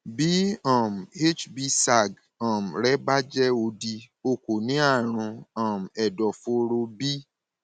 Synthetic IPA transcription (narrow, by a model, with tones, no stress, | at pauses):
bi˨˦ɔ̃˦˨m̩˨e˦t͡ʃbi˧sa˨ɡ | ɔ̃˨m̩˨ɾɛ˦ba˦d͡ʒɛ˦o˧di˧ | o˧˨ko˨nĩ˨˦a˦˨ɾ̃ũ˧ã˨m˨ɛ˨dɔ˨fo˧ɾo˧bi˦